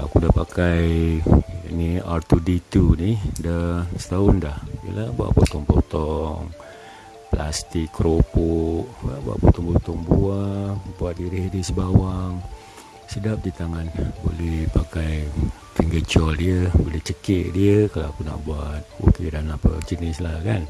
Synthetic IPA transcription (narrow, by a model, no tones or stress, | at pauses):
a̰kudapakaj | aniart̪udit̪unihdəsə̥t̪aʊndahjə̰labua̰ʔpot̪ɔŋpo̰t̪ɔŋ | pla̰st̪ikːɾopoʔa̰ʔbua̰ʔpot̪ɔŋpot̪ɔŋbuabuat̪̚diɾihdisəbawaŋ | sədap̚dit̪aŋanbo̰lɛhpakaj | t̪ɾiŋɡət͡ʃɔldiəbolɛht͡ʃəkəʔdiəkalaakuna̰ʔbuat̪̚o̰kidanapə̰t͡ʃənɪslaka̰n